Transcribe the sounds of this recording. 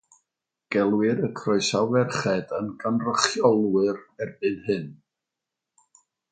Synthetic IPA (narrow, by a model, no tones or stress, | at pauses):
ɡ̥ɛlˠwɪɾəkʰrɔɨsawɛrχɛdənɡanrəχjɔlˠwɨɾɛrb̥ɨðhɨn